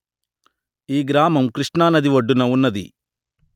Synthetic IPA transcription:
iːɡɾaːmɐmkɾiʂʈɳaːnɐd̪iʋɐɖːunɐunːɐd̪ḭ

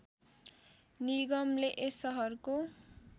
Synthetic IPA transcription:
niɡʌmleʔesʌɦʌrko

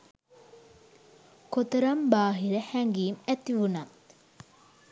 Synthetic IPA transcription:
kot̪ɐɾɐmbaːɦiɾəhæŋɡiːmæt̪iʋunɐ

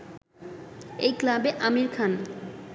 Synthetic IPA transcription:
ejklabeʔamiɾkʰan

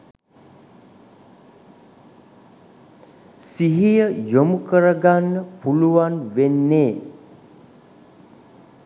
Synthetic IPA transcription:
siɦijəjomukəɾəɡanːəpuluʋanʋenːeː

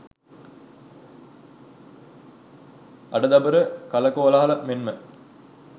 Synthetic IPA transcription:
ʔɐɖəd̪ɐbəɾəkɐlɐkoːlaɦalɐmenmə

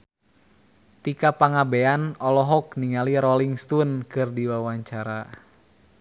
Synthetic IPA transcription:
t̪ikapaŋabɛanɔlɔɦɔkniŋaliɾɔliŋst̪unkɨrdiwawaɲt͡ʃaɾa

